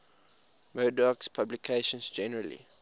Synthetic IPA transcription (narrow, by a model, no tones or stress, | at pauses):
mədɔkspʰablikʰeʃɔ̃nsd͡ʒɛnəɹəlḭ